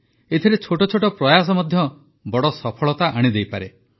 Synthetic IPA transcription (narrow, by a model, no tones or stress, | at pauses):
et̪ʰiɾet͡ʃʰoʈɔt͡ʃʰoʈɔpɾɔjas̬ɔmɔd̪ʱjɔ | bɔɽɔsɔpʰɔɭɔt̪aʔaɽ̃id̪ejpaɾe